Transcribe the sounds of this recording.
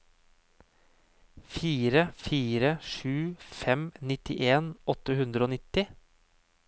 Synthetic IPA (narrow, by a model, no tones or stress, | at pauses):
fiːɾəfiːɾəʃʉːfɛmnɪt̪ɪʔeːnɔt̪əhʉnd̪ɾəoːnɪt̪ɪ